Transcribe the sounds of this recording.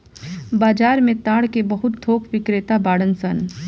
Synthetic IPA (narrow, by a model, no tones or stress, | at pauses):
baːd͡ʒaːɾmẽt̪ãːɽkebɐɦʊt̪̚d̪ʰʱoːkʰʋɪkɾeːt̪abaːɽənsən